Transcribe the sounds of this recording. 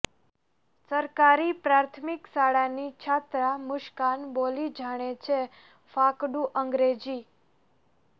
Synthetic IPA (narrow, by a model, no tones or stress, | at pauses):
səɾkaɾipɾaɾt̪ʰmiksaɽanit͡ʃʰat̪ɾamʊʃkanbolid͡ʒʱaɽ̃et͡ʃʰe | fakɖuʔəŋɡɾed͡ʒi